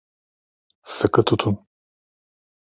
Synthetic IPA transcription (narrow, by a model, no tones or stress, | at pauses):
sɨkɨt̪ʰut̪ʰun